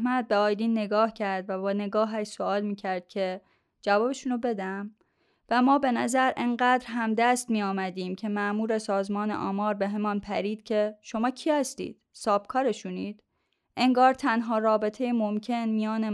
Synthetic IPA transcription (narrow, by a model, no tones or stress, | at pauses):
mæt̪̚beɒːjd̪iːnːe̞ɡɒːhcʰæɾd̪væbɒːne̞ɡɒːɦæʃsoɒːlmiːcʰæɾd̪̥̚cʰe̞ | d͡ʒævɒːbeʃuːnobe̞d̪æm | væmɒːbe̞næzæɾʔeŋɢæːd̪ɾɦæmd̪æst̪mijɒːmæd̪iːmcʰe̞mæʔmuːɾe̞sɒːzmɒːnḛʔɒ̰ːmɒːɾbe̞ɦe̞mɒːnpʰæ̰ɾiːd̪̥cʰe̞ʃo̞mɒːcʰiːhæst̪ḭːd̪̥sɒːb̥̚kʰɒːɾeʃuniːd̪̥ | ʔe̞ŋɡɒːɾt̪ʰænɦɒːrɒːbe̞t̪ʰejemomcʰe̞nmijɒːne